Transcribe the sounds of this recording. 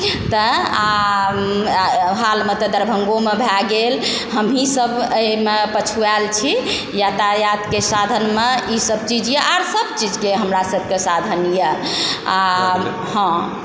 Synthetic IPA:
t̪əa | ɦalmet̪əd̪əɾbʱəŋɡomebʱɛɡel | ɦəmɦisəbəmepət͡ʃʰualt͡ʃʰi | jat̪ajat̪kesad̪ʱənmeisəbt͡ʃid͡ʒjɛʔaɾsəbt͡ʃid͡ʒkeɦəmɾasəbʱkesad̪ʱənjəa | ɦə̃

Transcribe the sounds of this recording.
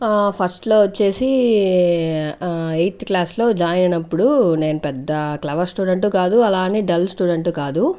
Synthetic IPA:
pʰɐsʈlo̞ːʋot͡ʃːe̞ːsi | ejt̪klaːslo̞ːd͡ʒaːjɐnɐnɐpːuɽune̞ːnupɛd̪ːɐklɐʋɐɾsʈuːɖeɳʈukaːd̪uɐlaːniːɖɐlsʈuːɖeɳʈukaːd̪u

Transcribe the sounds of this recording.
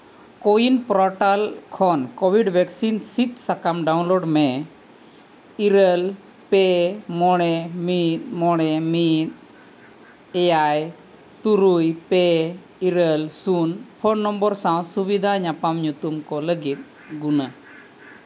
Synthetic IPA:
kɔinpɾɔʈalkʰɔnkɔbʱiɖbʱɛksinsit̪̚sakamɖaw̃nlɔɖmɛ | iɾəl | pɛmɔɽ̃ɛmit̪̚mɔɽ̃ɛmit̪̚ | ɛjaj | t̪uɾujpɛ | iɾəlsunpʰɔnːɔmbɔɾsãw̃subid̪ʱaɲapamɲut̪umkɔləɡit̪̚ | ɡuna

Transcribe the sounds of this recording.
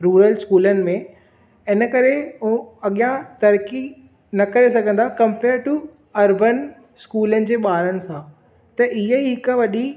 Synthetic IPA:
ɾuːɾəlskuːlənɪ̆mẽ | ɪnəkɐɾeɦoɐɠijãt̪ɐɾki | nɐkɐɾesɐɡʱə̃n̆d̪akɐ̃mpeːɾʈu | ɐɾbən | skuːlənɪ̆d͡ʑeːɓaːɾənɪ̆sãː | t̪ɐʔɪɦəɦɪkʋɐɗi

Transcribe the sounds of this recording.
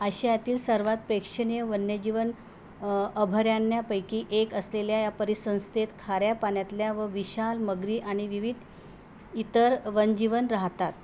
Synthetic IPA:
əɕajat̪iːlsəɾʋat̪̚pɾekʂəɳijəʋənjəd͡ʑiʋən | əbʱəɾjanːjapəjkiːʔekəsleljajapəɾisə̃w̃st̪ʰet̪kʰaɾjapaɳjat̪ljaʋəʋiɕalməɡɾiːʔaɽ̃iʋiʋid̪ʱ | it̪əɾʋənd͡ʑiʋənɾaɦt̪at̪

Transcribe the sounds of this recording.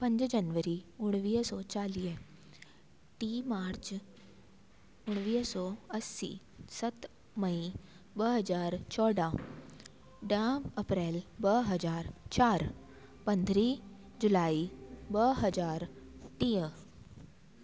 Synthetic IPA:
pəɲd͡ʑd͡ʑənʋəɾiːuɽ̃ʋisɔt͡ɕalijə | ʈimaɾt͡ɕ | uɽ̃ʋisɔəsːḭ | sət̪ | məĩ | bəɦəd͡zaɾt͡ɕʰɔɽã | ɖjaməpɾelbəɦəd͡zaɾt͡ɕaɾ | pənd̪ʱɾiː | d͡ʑulaibəɦəd͡zaɾʈijə

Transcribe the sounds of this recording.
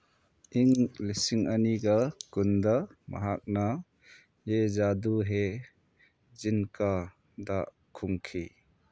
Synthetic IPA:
ʔiŋlisiŋaniɡakund̪amɐ̰ɦak̚na | jezad̪uɦe | zinkʰa | da | kʰuŋkʰi

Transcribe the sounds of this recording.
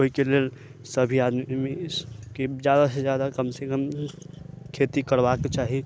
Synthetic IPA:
oɦikelel | səbʱiad̪mimi | ked͡ʒjaːd̪ased͡ʒjaːd̪akəmsekəm | kʰet̪ikəɾbaket͡ʃaːɦi

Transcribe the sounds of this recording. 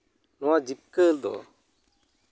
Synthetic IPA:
nɔwad͡ʒip̚kəld̪ɔ̰

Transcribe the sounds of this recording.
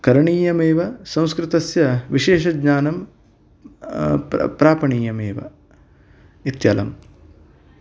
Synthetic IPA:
kɐɾɐɳiːjɐmeːʋɐsɐ̃w̃skɾɪt̪ɐsjɐʋiʃeːʃɐɡɲaːnɐm | pɾaːpɐɳiːjɐmeːʋɐ̰ | it̪jɐ̰ːlɐ̰m

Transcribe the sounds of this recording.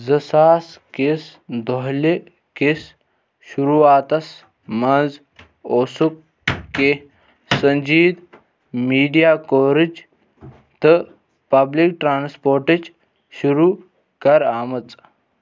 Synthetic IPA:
d͡zəsaːskesd̪ʱɔɦle | kes | ɕuɾuaːt̪ɐs | mand͡z | oːsukː | e | səɲd͡ʑiːd̪ | miːɖijakoɾid͡ʒ | t̪ə | pɐblik̚ʈɾaːnspoːɾʈet͡ʃ | ɕuɾu | kɐɾaːmət͡s

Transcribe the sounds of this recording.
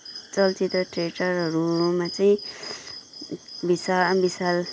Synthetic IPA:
t͡sʌlt͡sit̪rʌʈreʈʌɾɦʌɾumat͡saĩ | bisabisal

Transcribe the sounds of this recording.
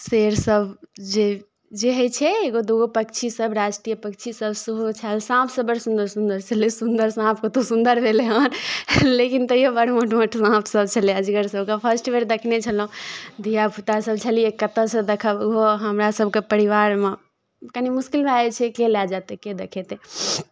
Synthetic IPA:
seɾsəbʱd͡ʒe | d͡ʒeɦət͡ʃʰɛeɡod̪uɡopək̚t͡ʃʰisəbɾasʈɾijəpək̚t͡ʃʰisəbsuɦot͡ʃʰalsãpʰsəbəɾsũnd̪əɾsund̪əɾt͡ʃʰəlesund̪əɾsãpʰket̪osũnd̪əɾbʱeleɦənlekint̪əjobəɽmoʈməʈsãpʰsəb̚t͡ʃʰəliəd͡ʒɡəɾsəbkãpʰəsʈʋeɾd̪ekʰnet͡ʃʰəlɦũd̪ʱijabʱut̪asəbt͡ʃʰəlijekət̪əsə̃d̪ekʰəbɡoɦəmɾasəb̚ʱkepəɾiʋaɾme | kənimuskilbʱaet͡ʃʰɛkelɛd͡ʒat̪eked̪ekʰet̪e

